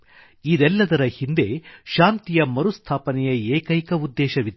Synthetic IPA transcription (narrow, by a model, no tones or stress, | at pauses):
id̪ɛlːɐd̪ɐɾɐhind̪e̞ʃaːnt̪ijɐmɐɾust̪ʰaːpɐnɛjɐɛːkɐjkɐud̪ːɛːʃɐʋid̪